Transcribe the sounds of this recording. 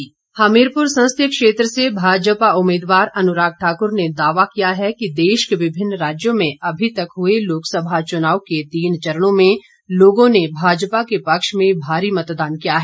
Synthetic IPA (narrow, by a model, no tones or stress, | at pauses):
haːmeːɾpʊɾsɐ̃nst̪ʰjəkʃeːt̪ɾəsebʱaːd͡ʒpaʊmeːd̪ʋaːɾɐnʊɾaːɡ̚ʈʰaːkʊɾned̪aːʋakijaɦɛkid̪eːʃkeʋɪbʱɪnːɾaːd͡ʒjõmẽʔɐbʱit̪ɐkɦueloːksəbʱat͡ʃʊnaːʋket̪iːnt͡ʃɐɾəɽ̃õmẽ | loːɡõnebʱaːd͡ʒpakepɐkʃmẽbʱaːɾimɐt̪d̪aːnkijaɦɛː